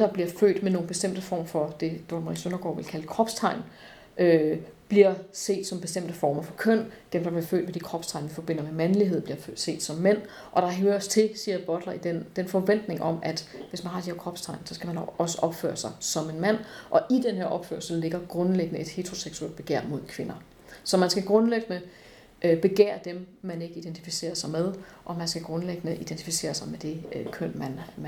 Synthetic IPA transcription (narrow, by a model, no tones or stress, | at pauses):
d̥ɑ̈b̥liɐfø̰ːd̥meno̝ːn̩b̥e̝sd̥em̰d̥əfɒ̰ːmfɒ̽d̥e̝d̥omʁḭsønɐɡ̥ɒ̰ːʋe̝lkʰæləkʰʁɒ̽b̥st͡sʰɑ̈ɪ̰n | ʔøb̥liɐ̰se̝̰ːd̥sɒ̽mb̥e̝sd̥em̰d̥əfɒːmɐfɒ̽kʰœn̰d̥emd̥ɑ̈b̥liɐfø̰ːd̥med̥ikʰʁɒ̽b̥st͡sʰɑ̈ɪnʋifɒ̽b̥e̝n̰ɐmemænliɦe̝ð̞̰ˠb̥liɐfse̝̰ːd̥sɒ̽mːen̰ | ʔɒ̽ɾ̥ɑ̈ɦøːɐɐɒst͡sʰe̝lsiːɐb̥ɒ̽d̥lɐid̥end̥enfɒ̽ʋen̰d̥ne̝ŋʔɒ̽mæd̥ʋe̝smænɦɑ̈d̥iheɐkʰʁɒ̽b̥st͡sʰɑ̈ɪ̰nsɒ̽sɡ̥æmænɒ̽səʔɒ̽b̥fø̰ːɐsɑ̈ɪsɒ̽me̝nmæn̰ʔɒ̽ʔid̥enɦeɐʔɒ̽b̥fø̰ɐlsəle̝ɡ̥ɐɡ̥ʁɔ̽nleɡ̥ənəe̝d̥he̝ːt͡sʰʁo̝seɡ̥suḛl̰d̚b̥e̝ɡ̥æ̰ɐ̰mo̝ð̞̰ˠkʰʋe̝nɐ | sɒ̽mænsɡ̥æɡ̥ʁɔ̽nleɡ̥nə | b̥e̝ɡ̥ḛːɐd̥emmæne̝ɡ̥əid̥ent͡sʰifise̝̰ːɐsɑ̈ɪmeð̞ˠʔɒ̽mænsɡ̥æɡ̥ʁɔ̽nleɡ̥nəʔid̥ent͡sʰifise̝̰ːɐsɑ̈ɪmed̥e̝kʰøn̰mæn